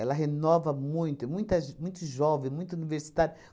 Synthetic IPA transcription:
ɛlɐɦenɔvɐmũj̃t̪ʊɛmũj̃t̪ɐmũj̃t̪ʊʒɔvẽj̃mũj̃t̪ɐuniveɾsi̥t̪aɾjʊ

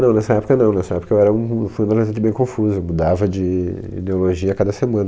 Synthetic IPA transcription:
nɐ̃w̃nɛsɐɛpo̥kɐnɐ̃w̃nɛsɐɛpo̥kɐewɛɾɐũfũd̪ɐlẽzẽt͡ʃ̪ɪbẽj̃kõfuzʊewmud̪avɐd͡ʒɪḭd̪eoloʒiɐkad̪ɐsemɐ̃nɐ

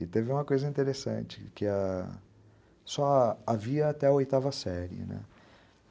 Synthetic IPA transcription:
ɪt̪evɪũmɐkojzɐĩnt̪eɾesɐ̰̃t͡ʃɪkɪɐ | sɔaviɐat̪ɛɐojt̪avɐsɛɾiɪ̰nɛ̰

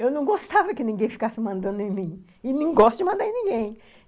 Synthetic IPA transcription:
ewnɐ̃w̃ɡost̪avɐkɪnĩŋɡẽj̃fi̥kasɪmɐ̃nd̪ɐ̃nd̪ʊẽmĩ | ɪnẽj̃ɡɔst̪ʊd͡ʒɪmɐ̃d̪ãnĩɡẽj̃

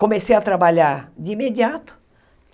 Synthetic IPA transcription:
kõmesejɐt̪ɾabaʎaɾd͡ʒɪĩmed͡ʒiat̪ʊ̥

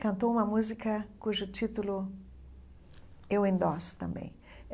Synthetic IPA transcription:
kɐ̃nt̪oũmɐmuzikɐkuʒʊt͡ʃ̪it̪ulʊ | ewẽnd̪ɔsʊ̥t̪ɐ̰̃mbḛ̃j̃

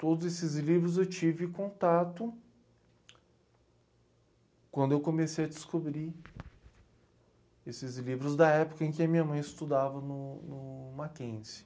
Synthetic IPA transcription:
t̪od̪ʊzesɪzlivɾʊzewt͡ʃivɪkõnt̪at̪ʊ | kwɐ̃nd̪ʊewkomesejɐd͡ʒɪskobɾi | esɪzlivɾʊzd̪ɐɛpʊ̥kɐẽkɪɐmĩɲɐmɐ̃j̃ɪst̪ud̪avɐnʊnʊmakẽsɪ̥

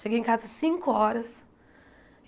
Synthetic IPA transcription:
ʃeɡejẽŋkazɐsĩŋkʊɔɾɐs

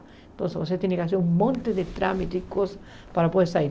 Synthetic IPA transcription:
et̪onsevos̬et̪jenekeas̬euŋmõnt̪eðet̪ɾamit̪eikosḁ | paɾapoðesai

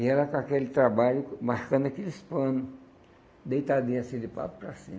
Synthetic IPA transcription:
ɪɛlɐkakelɪt̪ɾabaʎʊmaɾkɐ̃d̪akelɪspɐ̃nʊ | d̪ejt̪ad̪iɐsĩd̪ɪpa̰pʊ̥pɾasḭ̃m

